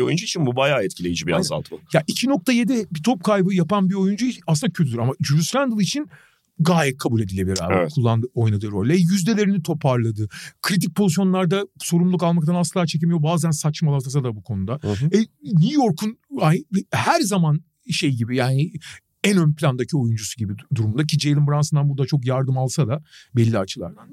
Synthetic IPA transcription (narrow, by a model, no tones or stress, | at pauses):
iojund͡ʒuit͡ʃʰinbubajaːɛt̪cʰilʲe̞jid͡ʒibiɾa̰zza̰lˠt̪ʰɯjaʔicʰino̞k̚t̪ʰaje̞d̪ɛbit̪ʰo̞p̚kʰajbɯjapanbio̞jund͡ʒuit͡ʃʰinasɯnd̪acʰøt̪yd̪ɾamad͡ʒuɾusɾænd̪ɯlˠit͡ʃʰin | ɡaːjɛt̚kʰːabulʲe̞d̪ilʲebɾa̰b̰ɛtkʰulˠːand̪ɯojnad̪ɯɾo̞lʲɛjyzd̪e̞lʲe̞ɾinit̪ʰo̞pʰaɾlˠad̪ɯkʰɾit̪̬ic̚pʰo̞zisjo̞nlˠaɾd̪aso̞ɾumlˠukalˠmak̚t̪ʰanaslˠat͡ʃʰec̬emijobaːzænsat͡ʃmalˠat̪ʰasad̪abukʰo̞nud̪aɛnʲujo̞ɾkʰunaɛhæɾzaman | ʃe̞jɟibijaːni | ænø̞nplʲand̪acʰio̞jund͡ʒusuɟibid̪uɾumund̪acʰid͡ʒejlʲˠɯmbɾansɯnd̪anbuɾd̪at͡ʃʰo̞kjaɾd̪ɯmalˠsad̪abɛlʲːiat͡ʃʰɯlˠa̰ɾd̪an